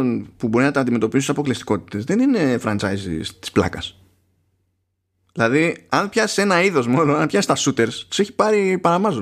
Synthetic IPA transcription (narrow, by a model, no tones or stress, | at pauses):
npubo̞ɾinɐt̪iɐnd̪ime̞t̪o̞pisut̪sɐpo̞klist̪i̥ko̞t̪i̥t̪e̞zðe̞nine̞fɾɐnt͡ʃɐ̰jzḭst̪i̥splɐ̰kɐs | ðilɐðiɐnpçɐsi̥se̞nɐiðo̞zmolonɐnpçɐsist̪ɐsut̪e̞ɾst̪i̥seçi̥pɐɾipɐɾɐmɐzo